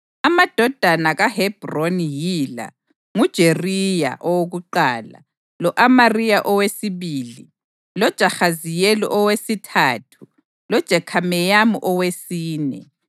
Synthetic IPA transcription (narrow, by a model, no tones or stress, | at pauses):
amad̥ʱɔd̥ʱanaɣaɦɛb̥ronjila̰ | ŋud̥ʒ̥ʱerija̰ʔɔwoɣuǃaːla̰ | lɔʔamarijaʔɔwesiβiːli | lɔd̥ʒ̥ʱaxazijɛlɔ̰ʔɔwesitʰaːtʰu̥ | lɔd̥ʒ̥ʱɛkʰamɛjamuʔɔwesiːnɛ̰